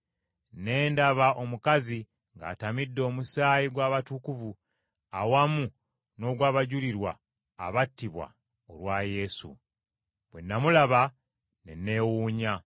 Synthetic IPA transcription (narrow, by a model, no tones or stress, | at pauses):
ne̞ːndaβaʔo̞mukazi | ŋɡa̰ːtamidːo̞ːmusaːjiɡwaːβatukuvu | awamu | no̞ɡwaːβaɟuliɾwa̰ː | βatːiβwa̰ | olwaje̞sṵ | βwe̞nːamulaβa | nḛnːe̞wuːɲa